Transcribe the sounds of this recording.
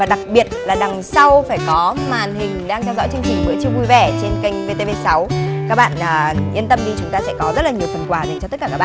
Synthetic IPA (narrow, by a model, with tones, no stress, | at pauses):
vaː˨˩ɗa˨˩k̚ɓi˨˩ət̚laː˨˩ɗa˨˩ŋsa˧wfaː˧˩jkɔ˨˦maː˨˩nhï˨˩ŋ̟ɗaː˧ŋt̪ɛ˧wzɔ̰˧˥jt͡ɕɨ˧əŋt͡ɕï˨˩ŋ̟ɓɨ̰˧˩ət͡ɕi˧vu˧jvɛ˧˩t͡ɕe˧nka˧jŋ̟ve˧t̪e˧ve˧sa˨˦wkaː˦˥k̚ɓa̰ː˧˨nʔəː˨˩ʔi˧ənt̪ə˧mɗi˧˩t͡ɕʊ˨˦ŋ͡mt̪aː˧sɛ̰˧˥kɔ˨˦zə˦˥t̚laː˨˩ɲ˨˩əwt̪ʰə˨˩nkwaː˨˩ze˨˩ŋt͡ɕɔ˧t̪ə˦˥kːaː˧˩kaː˦˥a̰˨